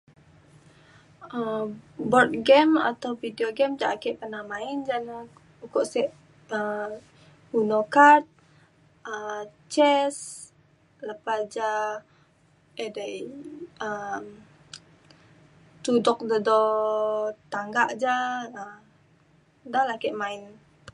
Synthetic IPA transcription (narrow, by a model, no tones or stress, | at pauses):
əbɔrt̪̚ɡɛma̰t̪awfideoɡɛmd͡ʒaʔakɛʔpənamaɪnd͡ʒana | ukɔʔsɛʔ | ə | unokat̪̚ | ət͡ʃɛs | ləpad͡ʒa | edajəm | t̪udɔk̚dədɔ | t̪aŋɡaʔd͡ʒaə | dalakɛʔmaɪn